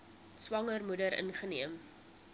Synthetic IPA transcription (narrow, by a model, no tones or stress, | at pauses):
swɐŋərmudəɾə̰nχəniəm